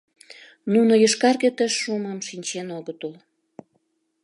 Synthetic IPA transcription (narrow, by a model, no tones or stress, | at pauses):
nunojəʃkɑrɣet̪əʃːuməmʃinʲt͡ɕenoɣət̪ul